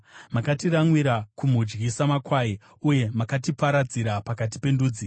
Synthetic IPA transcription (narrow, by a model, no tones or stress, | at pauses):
makatiraŋwiɾakum̤ud͡ʒɡisamakwai | uje̞makatipaɾad͡ziɾapakat̬i̥pe̞nduːd͡zi